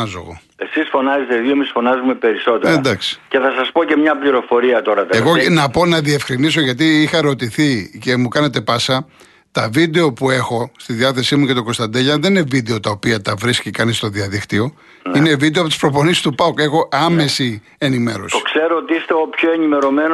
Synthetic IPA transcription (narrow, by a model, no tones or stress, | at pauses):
ɐzo̰ɣo̰ | e̞sisfo̞nɐzet̪eðioemisfo̞nɐzume̞pe̞ɾiso̞t̪eed̪ɐksi̥ce̞θɐsɐspoce̞mɲɐpliɾo̞fo̞ɾiɐt̪o̞ɾɐt̪ɐeɣonɐpo̞nɐðie̞fxɾiniso̞ʝɐt̪̬iixɐɾo̞t̪iθice̞mukɐne̞t̪e̞pɐsɐ | t̪ɐvid̪e̞o̞pue̞xo̞st̪iðiɐθe̞simuce̞t̪o̞ko̞st̪ɐnd̪eʝɐðe̞ninevid̪e̞o̞t̪ɐopiɐt̪ɐvɾiskcikɐnist̪o̞ðiɐðikt̪io̞ | nine̞vid̪eɐpot̪ispɾo̞po̞nisi̥st̪upɐke̞xo̞ʔɐme̞si | e̞nime̞̰ɾo̞̰st̪o̥kse̞ɾoot̪iist̪e̞opçoenime̞ɾo̞men